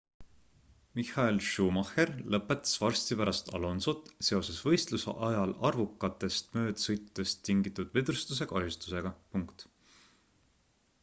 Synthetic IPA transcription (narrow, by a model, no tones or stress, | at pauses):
mihɑelʃuːmɑherlɤpːˑe̞t̪ːˑɑ̥svɑrst̪ipæɾɑst̪ɑ̰lo̞nsot̪ːˑse̞o̞se̞svɤ̞jst̪lusḛʔɑjɑlɑrvukːˑɑt̪ːˑe̞st̪mø̞ːd̪̥sɤ̞jt̪ːˑu̥d̪̥e̞st̪ːiŋɡit̪ːˑud̪̥ved̪ɾust̪us̬e̞kɑɦjust̪use̞ɡ̥ɑpuŋkt̪